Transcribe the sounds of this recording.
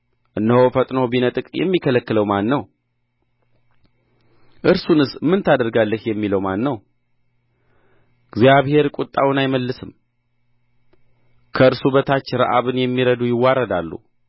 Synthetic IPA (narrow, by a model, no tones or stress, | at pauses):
ʔɨnːəhofət̪ʼnobinət̪ʼɨkʼjɛ̰mːikʰələkːɨləwmanːəw | ʔɨɾsunɨsmɨnt̪ʰad̪əɾɡalːəhjɛmːiləwmanːəw | ɡzijaβhe̞ɾkʼut̪ʼːawnajməlːɨsɨm | kʰəɨɾsuβət̪ʰat͡ʃːɪɾa̰ʔa̰βɨnjɛmːiɾəd̪ujɪwːaɾəd̪alːṵ